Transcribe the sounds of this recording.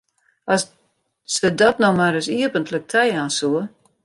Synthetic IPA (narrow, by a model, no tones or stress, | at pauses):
ɔs | sədɔtnɔmaɾəsiəpəntlək̚tʰɛjaːnsuə